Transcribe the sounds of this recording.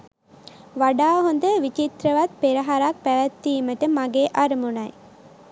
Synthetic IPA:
ʋaɖaːɦond̪əʋit͡ʃit̪ɾəʋat̪̚peɾɐɦaɾak̚pæʋæt̪ːiːməʈəmaɡeːʔaɾəmunaj

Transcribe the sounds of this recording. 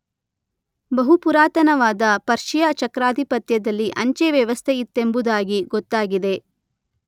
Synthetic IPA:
bɐɦupuɾaːt̪ɐnɐʋaːd̪ɐpɐɾʃijɐt͡ʃɐkɾaːd̪ʱipɐt̪jɐd̪ɐlːiʔɐɲt͡ʃeʋjɛʋɐst̪ʰeit̪ːembud̪aːɡiɡɔt̪ːaːɡid̪e̞

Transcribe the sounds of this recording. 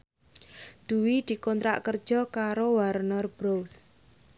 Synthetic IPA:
d̪̥uwid̪̥i̤kɔnt̪ɾa̰ʔkərd̥ʒ̥ɔ̤kaɾowaɾnɔrb̥ɾows

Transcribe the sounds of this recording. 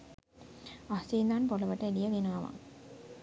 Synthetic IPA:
asiːnd̪anpoləʋəʈəelijəʋinaːʋa̰ŋ

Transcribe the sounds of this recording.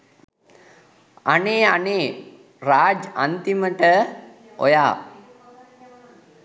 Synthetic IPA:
aneːaneː | ɾaːd͡ʒant̪iməʈə | o̰jaː

